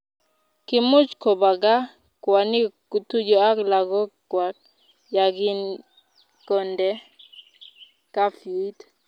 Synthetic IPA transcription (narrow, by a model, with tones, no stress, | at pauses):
ki˨mu˦t͡ʃkɔ˨ba˨ɡa˦ | kwa˨ni˦ku˨tu˦d͡ʒɔ˦a˦kla˨ɡɔ˦kwa˨k̚ | ja˨ɡi˦n | kɔ˨ndɛ˦ | ka˦fi˨˦t